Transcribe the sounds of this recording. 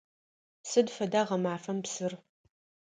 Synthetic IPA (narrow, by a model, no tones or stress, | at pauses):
sɨdfɐdaːʁɐmaːfɐmpsɨr